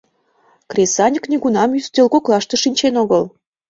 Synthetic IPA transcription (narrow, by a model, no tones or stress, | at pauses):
krʲesɑnʲəkniɣunɑmjyst̪elkoklɑʃt̪ĕʃinʲt͡ɕenoɣəl